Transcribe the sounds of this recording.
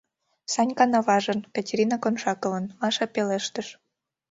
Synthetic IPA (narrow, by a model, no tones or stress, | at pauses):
sɑnʲkɑnɑβɑʒə̆nkɑtʲeɾʲinɑkonʃɑkələ̆nmɑʃɑpeleʃt̪əʃ